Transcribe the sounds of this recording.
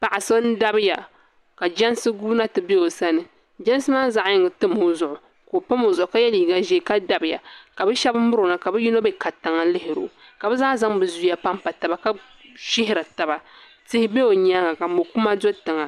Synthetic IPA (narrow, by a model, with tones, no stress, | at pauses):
pa˨ʔa˨so˦n˦da˦bɪ˦ja˨ | ka˨d͡ʒɛ˦n˦sɨ˦ɡuː˦na˦tɨ˨be˦o˨sa˦nɨ˨ | d͡ʒɛ˦n˦sɨ˦maː˦za˨ʔɲɪ˨ŋɨ˨tɨ˦mo˦zʊ˨ʔʊ˨ | ko˨pa˦mo˨zʊ˨ʔʊ˨ka˦jɛ˦liː˨ɡa˨ʒɛ˨ka˦da˦bɪ˨ja̰˨ka˨bɛ˦ʃɛ˦bm̩˦mʊ˦ɾo˨na˨ka˨bɛ˦ji˦no˦bɛ˦ka˨ta˨ŋa˨˦lɪ˦hɪ˨ɾo̰˨ | ka˨bɛ˦zaː˦za˦ŋbɨ˨zu˦ja˦pa˦m˦pa˨ta˨ba˨ka˦ | ʃɪ˦hɪ˦ɾa˨ta˨ba˨ | tɪ˦hɪ˦be˦o˨ɲa˦ɡa˨ka˨mo˨ku˦ma˦do˦tɨ˨ŋa˨